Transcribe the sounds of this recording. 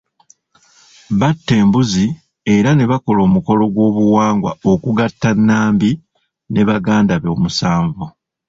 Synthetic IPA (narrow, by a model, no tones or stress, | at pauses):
βatːe̞ːmbuzi | e̞ɾane̞βako̞lo̞ːmuko̞lo̞ɡwo̞ːβuwaːŋɡwa̰okuɡatːanːaːmbi | ne̞βaɡaːndaβo̞ːmusaːɱvu